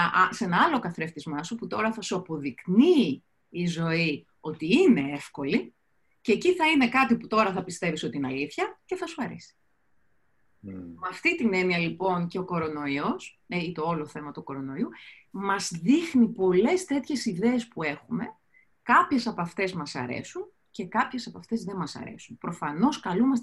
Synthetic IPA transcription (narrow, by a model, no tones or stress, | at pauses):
ɐʔse̞nɐɐlo̞kɐθɾe̞ft̪izmɐsuput̪o̞ɾɐθɐsuɐpo̞ðikniː | zo̞i | o̞t̪iine̞e̞fko̞li | ceːciθɐine̞kɐt̪iput̪o̞ɾɐθɐpist̪e̞viso̞t̪iinɐliθçɐce̞θɐsu̥xɐɾisi̥ | mɐft̪it̪ine̞niɐlipo̞nce̞o̞ko̞ɾo̞no̞io̞s | eit̪o̞olo̞θe̞mɐt̪uko̞ɾo̞no̞iu | mɐzðixnipo̞le̞st̪e̞t̪çe̞siðeːspue̞xume̞ | kɐpçe̞sɐpɐft̪e̞zmɐsɐ̰ɾḛsun | ce̞kɐpçe̞sɐpɐft̪e̞zðe̞mɐsɐ̰ɾe̞̰sunpɾo̞fɐno̞skɐlumɐs